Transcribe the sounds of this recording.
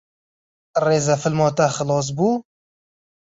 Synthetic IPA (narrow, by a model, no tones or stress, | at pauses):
reːzɛfɪlmɔːt̪ɛxɨlɑːs̬buː